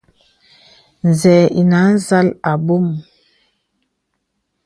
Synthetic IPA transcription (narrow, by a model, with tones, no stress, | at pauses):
n˨zɛː˨ḭ˨na˨˦n˦za˦la˨bo˦m